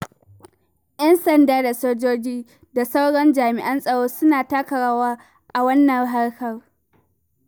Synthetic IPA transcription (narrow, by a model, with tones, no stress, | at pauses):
jɐ˦nsɐ˨ndaː˦da˨soː˦d͡ʒoː˦d͡ʒiː˦ | da˨sa˦wɽɔ˦nd͡ʒaː˨mɪ˨ʔɐ˦nsʼɐ˨ɽoː˦sʊ˦naː˨taː˦kɐ˨ɽaː˦waː˦ | ʔa˨wɐ˦nːɐ˨ŋɦa˦ɽkɐ˨r